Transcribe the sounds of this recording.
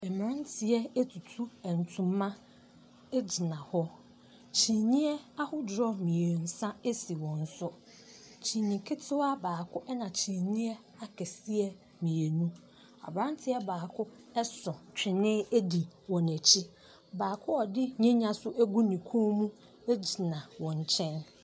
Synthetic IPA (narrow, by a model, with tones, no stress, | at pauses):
ɛ˨m̃˨ã˦ntʰɪ˨ɛ˦e˦tʰu˨tʰu˦ɛ˨n̩˨tʰʊ̃˦mː˦ã˦ | ɛ˦d͡ʑi˨nã˨hɔ˦ | t͡ɕʰĩ˨ɲĩ˦ɛ˦a˦hʊ˦d͡ʑɾɔ˦mĩ˨e˨n̩˨sã˦e˦si˨wɔ̃˨n̩˨sʊ˦ | t͡ɕʰĩ˨ɲĩ˨kʰɪ˦tʰɪ˦wa˦baː˨kʰʊ˦ʔɛ˦nã˨t͡ɕʰĩ˨ɲĩ˦ɛ˦ | a˦kʰɛ˨si˦ɛ˦˨ | mĩ˨e˨nũ˦ | a̰˨bɾã˦n˦tʰɪ˦ɛ˦baː˨kʰʊ˦ | ɛ˦sɔ̃˨t͡ɕᶣɪ˨nɪ̃˦e˦di˨wɔ̃˨næ˨t͡ɕʰi˦ | baː˨kʰʊ˦ɔ˨dɪ˦ɲɛ̃˦ɲã˦sʊ˦ʔæ˦ɡu˦nĩ˨kʰõ˦mũ˦ | e˦d͡ʑi˨nã˨wɔ̃˨ɲ˨t͡ɕʰɛ̃˦n